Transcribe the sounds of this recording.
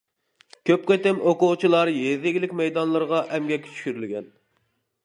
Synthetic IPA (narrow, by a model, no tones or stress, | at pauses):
kʲʰøp̚qet̪ɪmoqʊʁt͡ʃʰilˠɑɾjezɪɡʲilɪkʲmɛjd̪ɑnlˠɨɾʁɑʔɛmɡʲɛkʲːʰy̥t͡ʃʰy̥kʲyɾylɡʲɛn